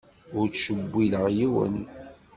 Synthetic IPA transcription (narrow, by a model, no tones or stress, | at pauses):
ʊɾt͡sʃəbʷːiləʁjiwə̰n